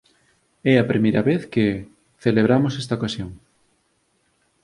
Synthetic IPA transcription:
ɛɐpɾimejɾɐβeθke | θeleβ̞ɾamosɛst̪ɐokasjoŋ

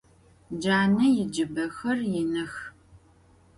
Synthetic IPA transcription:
d͡ʒaːnɐjɪd͡ʒɨbɐxɐrjɪnɨx

